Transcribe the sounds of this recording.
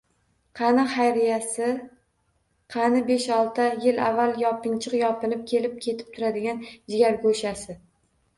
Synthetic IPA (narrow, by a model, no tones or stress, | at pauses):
qʰɑnɪχajɾɪjasɪ | qʰɑnɪbeʃɒlˠt̪ʰajɪla̰vːaljɒpʰɪŋt͡ʃʰɪqjɒpʰɪnɪp̚kʲʰe̞lɪp̚kʲʰe̞t̪ʰɪ̥p̚t̪ʰʊɾad̪ɪɡʲand͡ʒɪɡʲaɾɡoʃasɪ